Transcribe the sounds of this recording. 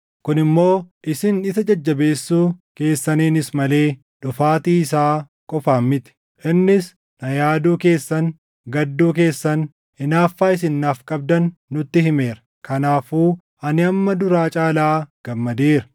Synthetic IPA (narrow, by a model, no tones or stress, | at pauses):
kʊnɪmːo̞ːʔɪsɪnɪsɐd͡ʒɐd͡ʒːɐbe̞ːsːuːke̞ːsːɐneːnɪsmɐle̞ː | ᶑʊfaːt̪iːɪsaː | kʼɔfaːmːɪt̪ɪ̥ | ʔɪnːɪs | nɐjaːd̪uːke̞ːsːɐn | ɡɐd̪ːuːk̬e̞ːsːɐn | ɪnaːfːaːɪs̬ɪnːaːfkʼɐb̚d̪ɐnːʊt̪ːɪhɪme̞ːɾɐ̥ | kɐnaːfuː | ʔɐnɪɐmːɐd̪ʊɾaːt͡ʃʼaːlaːɡ̥ɐmːɐd̪eːɾɐ